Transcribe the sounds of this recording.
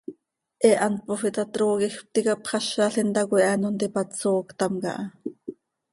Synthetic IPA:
ʔɛʔɑnt̪̚pofit̪ɑt̪ɾoːkixp̚t̪ikɑpχɑʃɑɬint̪ɑkʷʔɑnont̪ipɑt͡soːkt̪ɑmkɑ̰ʔɑ

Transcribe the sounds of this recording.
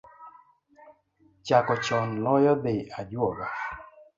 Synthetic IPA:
t͡ʃakɔt͡ʃɔnlɔjɔd̪ead͡ʒɔɡa

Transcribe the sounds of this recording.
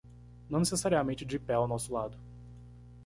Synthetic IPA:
nɐ̃w̃nesesaɾiamẽnt͡ʃɪd͡ʒɪpɛawnɔsʊlad̪ʊ

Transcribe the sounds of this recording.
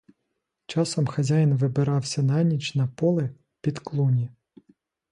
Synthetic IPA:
t͡ʃɑsɔmxɐzʲajɪnʋɪbɪɾɑwsʲɐnɑnʲit͡ʃnɐpɔlˠɪ | pʲid̪klˠunʲi

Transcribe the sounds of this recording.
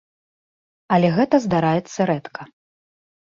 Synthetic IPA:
ɐlʲɛɣɛt̪ɐzd̪aɾajɛt̪sːɐɾɛt̪kʰɐ

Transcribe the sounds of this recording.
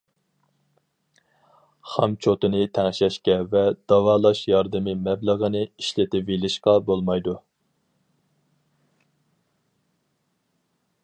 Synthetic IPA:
χɑmt͡ʃʰot̪ɨnɨt̪ʰæŋʃɛʃkʲɛvɛd̪̥ɑwɑːlˠɑʃjɑɾd̪ɨmɪmɛblˠəʁənɨiʃlɪt̪ɪvelɪʃqɑbolˠmɑjd̪u

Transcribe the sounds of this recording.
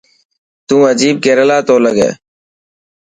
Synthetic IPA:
t̪ũːəd͡ʒiːb̚keːɾəlaːt̪oːləɡḛː

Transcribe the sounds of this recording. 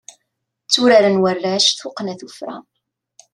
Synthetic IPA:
t͡sːuɾaɾənwərːæʃθʊqːnæθufɾa̰

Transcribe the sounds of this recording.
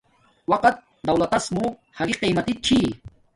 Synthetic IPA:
wɐqɐt̪̚ | d̪ɐwlɐt̪ɐsmuhɐɡiqijmɐt̪it͡ʃʰi

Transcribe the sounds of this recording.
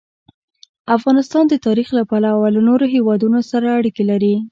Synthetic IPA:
afɣɑnɪst̪ɑnd̪ət̪ɑɾixlapalawalanoɾoɦewɑd̪unosaɾaːɽikelaɾi

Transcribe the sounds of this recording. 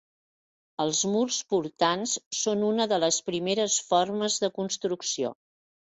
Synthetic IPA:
əlˠzmurspuɾt̪ansːonunəðələspɾimeɾəsfɔrməzðəkunst̪ɾuksio̰

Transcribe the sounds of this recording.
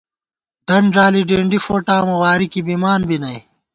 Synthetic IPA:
d̪̥ɐɳɖaːliɖeːɳɖifoːʈaːmɐwaːɾikibimaːnbinɐi

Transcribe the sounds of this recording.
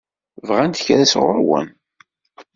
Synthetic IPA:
vʁænt̪çɾæsʁʊ̰ɾwə̰n

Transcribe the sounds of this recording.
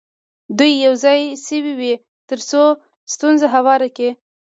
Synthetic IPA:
d̪ujːawzɑjsəwiwi | t̪əɾso | st̪unzaɦawɑɾake

